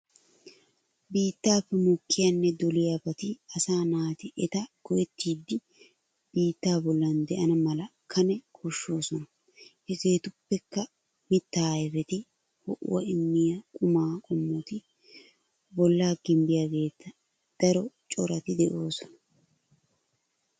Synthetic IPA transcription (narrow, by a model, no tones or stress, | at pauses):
biːt̪ːaːpːɛmɔkːɪjɐnːɛd̪ɔlɪjabɐt̪ɪɐsaːnaːt̪ɪʔɛt̪ɐɡ̥ɔjɛt̪ːiːd̪ːɪ | b̥iːt̪ːaːbɔlːɐnd̪ɛʔɐnɐmɐlɐkʰɐnɛkʰɔʃːo̞ːsɔnɐ | ɛzeːt̪ʊpːɛkːɐ | mɪt̪ːaːjrɛt̪ɪ | hɔʔʊ̰wɐɪmːɪjɐkʼʊmaːkʼɔmːɔt̪ɪ | bɔlːaːɡɪmbɪjaɡe̞ːt͡s̪ːɐ | d̪̥ɐɾɔt͡ʃʼɔɾɐt̪ɪd̪ɛʔo̞ːsɔnɐ